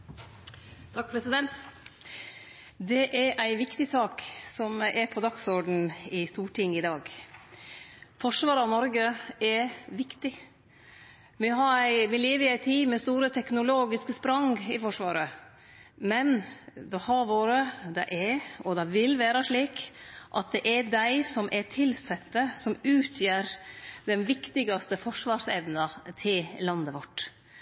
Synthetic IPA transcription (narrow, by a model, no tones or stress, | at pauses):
t̪ʰɑk̚pʰɾɛsɪd̪ɛnt̪ | d̪ɛʔɛɾʔæɪʋɪkt̪ɪsɑːksɔmɛɾpʰɔd̪ɑksɔɾɖn̩ɪst̪uːʈʰɪŋːɪd̪ɑːɡ | fɔʂʋɑːɾɑʋnɔɾɡəɛɾʋɪkt̪ɪ | ʋɪɦɑɾæɪʋɪleːʋəɪæɪt̪ʰiːmɛst̪uːɾət̪ʰɛknʊloːɡɪskəspɾɑŋɪfɔʂʋɑ̰ːɾə | mɛnd̪ɛhɑɾʋoːɾəd̪ɛ̰ʔɛɔd̪ɑʋɪlʋæːɾɑʂɭiːkʔɑt̪̚d̪ɛʔɛd̪æɪsɔmʔɛt̪ʰɪlsɛt̪ːəsɔmʉːt̪ʰjøːɾd̪ɛnʋɪkt̪ɪɡɑst̪əfɔʂʋɑːɾsɛʋnɑt̪ʰɪllɑnd̪əʋɔʈː